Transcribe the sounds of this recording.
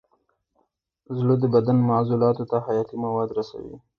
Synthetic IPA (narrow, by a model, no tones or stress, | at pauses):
zlod̪əbad̪anmaʕzulɑt̪ot̪ahajɑt̪imawɑd̪ɾasa̰wḭ